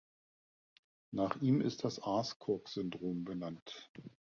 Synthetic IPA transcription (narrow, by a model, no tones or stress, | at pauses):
naːχʔiːmɪ̰st̚d̥asʔaɐskʰɔɐkz̥ʏndʁoːmbənant